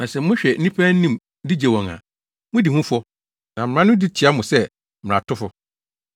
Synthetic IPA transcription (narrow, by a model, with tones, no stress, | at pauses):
nã˨sɛ˨mʊ̃˦ɕᶣɛ˨n̩˦nĩ˦pʰæ̃˦n̩˦nĩ˦˨m | di˦d͡ʑe˨wɔ̃˨ŋa̰˨ | mʊ̃˦di˨hũ˦fɔ˦ | nã˨mɪ̃˨ã˦nʊ̃˦di˦t͡ɕʰi˨˦a˦mʊ̃˨sɛ˦ | mɪ̃˨ã̰˨tʰʊ˦fʊ˦